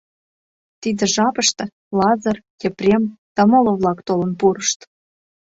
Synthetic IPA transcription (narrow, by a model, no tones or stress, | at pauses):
t̪id̪ə̆ʒɑpəʃt̪ɤ̆ | lɑzɑrjeprʲemd̪̥ɑmoloβlɑkt̪olə̆npuɾəʃt̪